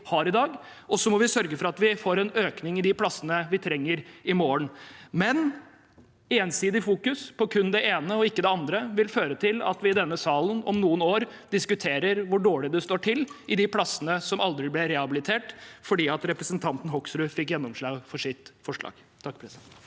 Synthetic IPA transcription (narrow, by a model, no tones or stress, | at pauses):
hɑɾɪd̪ɑːɡ | ʔɔsːɔmɔʋɪsœɾɡəfɔɾɑt̪ʋɪfoːɾɛnøːknɪŋɪd̪ɪpʰlɑsənəʋɪt̪ʰɾɛŋːəɾɪmoːəɳmɛn | eːnsiːd̪ɪfuːkʉspʰɔkʰʉnd̪ɛeːnəɔɪkːəd̪ɛɑnd̪ɾəʋɪlføːɾət̪ʰɪlɑ̰t̪ʋɪɪd̪ɛnːəsɑːlənɔ̰mnuːənoːɾd̪ɪskʉt̪ʰeːɾəɾʋʊɖoːɭɪd̪ɛst̪oːʈʰɪlːʔɪd̪ɪpʰlɑsənəsɔmɑld̪ɾɪblɛɾɛhɑbɪlɪt̪ʰeːʈfɔɖiːɑt̪ɾɛpɾəsənt̪ʰɑnt̪n̩ɦɔksɾʉfɪkjɛnːɔmʂɭɑːɡfɔʂɪt̪fɔʂɭɑ̰ːɡ | t̪ʰɑkːpʰɾɛst̪